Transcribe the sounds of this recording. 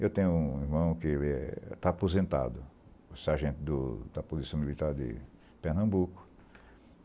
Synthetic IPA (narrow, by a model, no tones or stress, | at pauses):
ewt̪ẽɲʊũiɾmɐ̃w̃kɪelɪɛ̰t̪aːpozẽnt̪a̰d̪ʊsɛaʒẽnt̪ɪd̪ʊd̪ɐpozisɐ̃w̃milit̪aɾd̪ɪ̰ | peɾnɐ̃mbukʊ̥